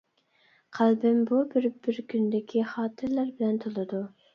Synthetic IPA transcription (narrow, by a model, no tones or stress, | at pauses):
qʰælbɪmbubɪɾbɪɾkʲʰynd̪ɪkʲʰiχɑːt̪ʰɨɾlæɾbɪlɛnt̪ʰolˠɨd̪u